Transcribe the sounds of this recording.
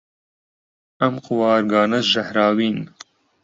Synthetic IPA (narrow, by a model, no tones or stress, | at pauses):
ɐmquwɑːɾɡɑːnɐsʒɐhɾaːwiːn